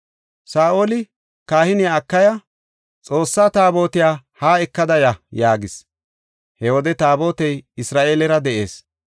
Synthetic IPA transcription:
saːʔoːlɪ | kaːhɪnɪjaːkːɐjɐ | t͡sʼo̞ːsːaːt̪aːbo̞ːt̪ɪjaːhaːɛkːɐd̪ɐjɐjaːɡɪs | hɛwɔd̪ɛt̪aːbo̞ːt̪ɛjɪsɾaːʔeːlɛɾɐd̪ɛʔe̞ːs

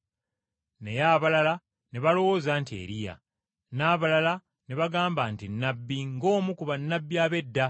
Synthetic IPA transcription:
ne̞̰jaːβalala | ne̞βalo̞wozantiḛːɾija̰ | naːβalala | ne̞βaɡaːmbantinːabːiŋɡo̞ːmukuβanːabːjaːβe̞dːa

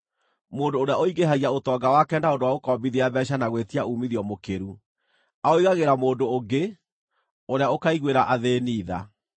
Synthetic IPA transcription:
moːdoːɾeaoiɡeɦaɣiaotɔːɡawakɛndaondowaɣokɔːmbiðiaβɛɕ̬anaɣwetiaʔumiðiɔmokeɾu | aoiɣaɣeɾamoːndooɡe | oɾeaokaiɣweɾaʔaðeːniːða̰

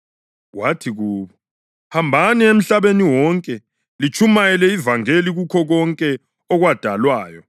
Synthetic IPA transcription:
watʰiɣuːβɔ | hambʱaniem̩ɬaβeniwɔŋkʼɛ | lit͡ʃʰʼumajɛlɛivaŋeliɣukʰɔɣɔŋkʼɛ | ɔɣwad̥ʱalwaːjɔ

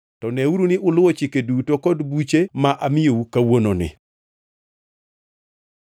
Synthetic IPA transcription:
tɔnɛuɾunɪʔʊlʊwɔt͡ʃikedutokɔdbut͡ʃemaʔamɪjoukawononɪ̰

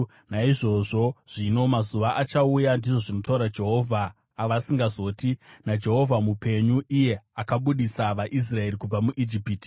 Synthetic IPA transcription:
naiʐo̞ʐo̞ʐ̥ino̞mazuʋaʔat͡ʃaujandiʐo̞ʐino̞tauɾad͡ʒe̞ɦo̞vʱaː | ʋasiŋɡazo̞ːtinad͡ʒe̞ɦo̞vʱamupe̞ɲuʔije̞akaɓuɗisaʋaʔis̬rae̞rikub͡vamuʔid͡ʒipiːti̥

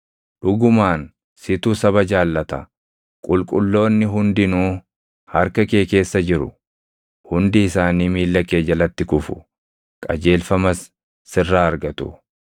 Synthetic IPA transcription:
ᶑʊɡʊmaːn | sɪt̪usɐβɐd͡ʒaːlːɐt̪ɐ | kʼʊlkʼʊlːo̞ːnːɪɦʊnd̪ɪnuː | hɐɾkɐke̞ːke̞ːsːɐd͡ʒɪɾʊ̰ | hʊnd̪ɪːsaːniːmiːlːɐke̞ːd͡ʒɐlɐt̪ːɪkʊfʊ̥ | kʼɐd͡ʒe̞ːlfɐmɐsː | ɪrːaːɐɾɡɐt̪ʊ

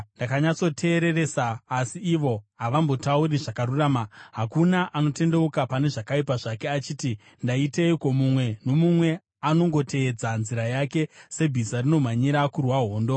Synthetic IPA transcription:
ndakaɲat͡so̞tʰe̞ːɾe̞re̞saːsiːʋo̞ɦaʋambo̞tauɾiʐakaɾuraːmaɦakunaʔano̞te̞nde̞ukapane̞ʐakaipaʐake̞at͡ʃiːti | ndaiteiko̞mumwe̞no̞mumwe̞ | ano̞ŋɡo̞tʰe̞ːd͡zanziɾajake̞se̞bʱisarino̞m̤aɲiɾakurwaɦo̞ːndo̞

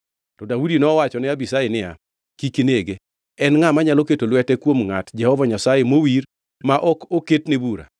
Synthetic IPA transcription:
tɔdaudinɔwat͡ʃɔnɪabisajenɪa̰ | kikeneɡe | ɛnŋamaɲaloketolwɛtɛkwomŋatd͡ʒɛhɔvaɲasajemowir | maʔɔkoketnebuɾa̰

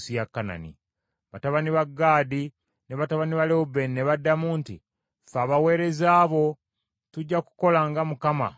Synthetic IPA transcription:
sijakːana̰nḭ | βataβaniβaɡːaːdi | ne̞βataβaniβaleubenneβadːamuːnti | faːβawe̞ːɾe̞zaːβo̞ | tuɟːaku̥ko̞laŋɡamukama̰

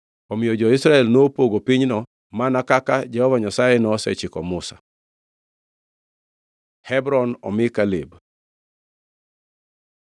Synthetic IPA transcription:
ɔmɪjɔd͡ʒɔɪsɾaɛlnopoɡopiɲnɔ | manakakad͡ʒɛhɔvaɲasajenɔsɛ̰t͡ʃɪkɔmʊsḁ | hɛbɾɔnɔ̰mɪkalib

